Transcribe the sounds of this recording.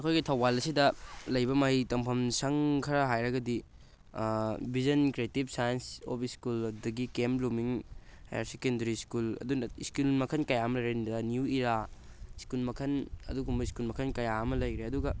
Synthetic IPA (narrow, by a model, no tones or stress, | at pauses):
ɐkʰojɡitʰɐwbalɐsidɐlɐjbɐmaɦitɐmpʰɐmsɐŋkʰɐɾɐɦajɾɐɡɐdi | bizɐnkɾietib̚sajɐnso̰piskuldɐɡikemlumiŋha̰ja̰ɾsekendɐɾiskulɐ̰dunɐiskulmɐkʰɐnkɐjaɐmɐlɐjɾendɐniuiɾa | iskulmɐkʰɐnɐ̰duɡumbɐiskulmɐkʰɐnkɐjaɐmɐlɐjɾeɐduɡɐ